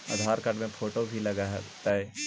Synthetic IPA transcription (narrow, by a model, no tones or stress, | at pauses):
ɐ̰d̪ʱaːɾkɐʈmẽpʰoːʈobʱilɐɡaɦt̪aɦɛː